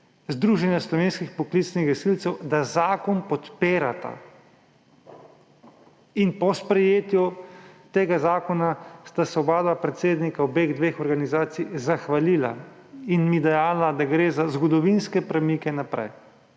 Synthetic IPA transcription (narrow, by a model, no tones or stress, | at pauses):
zd̪ɾuːʒɛnjaslɔʋeːnskixpɔklit̪snixʋɛsilt̪sɛwd̪azaːkɔnpɔt̪peːɾat̪a̰ | inpɔspɾɛjeːt̪jut̪eːɡazaːkɔnast̪asɔbaːd̪ʋapɾɛt̪seːd̪nikaɔbeːɣd̪ʋeːxɔɾɡanizaːt̪sijzaxʋaliːla̰ | inmid̪ɛjaːlad̪aɡɾeːzazɡɔd̪ɔʋinskɛpɾɛmikɛnapɾɛ̰j